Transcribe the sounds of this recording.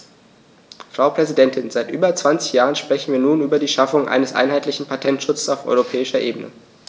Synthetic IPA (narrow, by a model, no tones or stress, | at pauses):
fʁ̥aʊpʁ̥ɛzidɛntʰɪnzaɪtʔyːbɐt͡sv̥ant͡sɪ̥çjaːʁənʃpʁ̥ɛçn̩viːɐnuːnyːbɐdiːʃafʊŋʔa̰ɪnəsʔa̰ɪnɦaɪtlɪçn̩pʰatʰɛntʃʊt͡ssaʊfɔ̰ʏʁopʰɛːɪʃɐʔeːbənə̰